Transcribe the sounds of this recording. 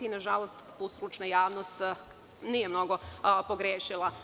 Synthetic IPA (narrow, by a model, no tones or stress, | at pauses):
inaʒalost̪t̪ust̪ɾut͡ʃnajaːʋnost̪ | nijemno̞ɡopoɡɾeːʃilˠa